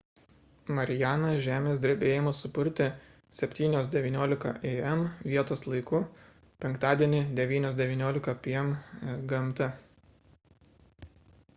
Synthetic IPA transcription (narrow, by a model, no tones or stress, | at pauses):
mɐɾʲɪjæːnɐʒʲæːmʲeːsʲd̪ʲɾʲebʲeːjɪmʊsʊpʊɾʲt̪ʲɪ | sʲɛpʲt̪ʲiːnʲoːsd̪ʲɛʋʲiːnʲoːlʲɪkɐ̰ʔeɛmʋʲiɛt̪oːslˠɐɪkʊ | pʲɛŋkt̪ɑːd̪ʲiɛnʲɪd̪ʲɛʋʲiːnʲoːsd̪ʲɛʋʲiːnʲoːlʲɪkɐpʲiɛmɡɐmt̪ɐ